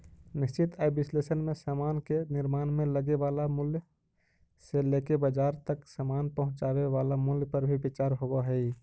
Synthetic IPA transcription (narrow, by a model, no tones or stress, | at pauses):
nist͡ʃit̪ajbislesənmesamankeniɾmaːnmeləɡeʋalamulj | selekebəd͡ʒaɾt̪əksəmanpəɦʊ̃t͡ʃaweʋalamuljpəɾbʱibit͡ʃaɾɦobəɦɛi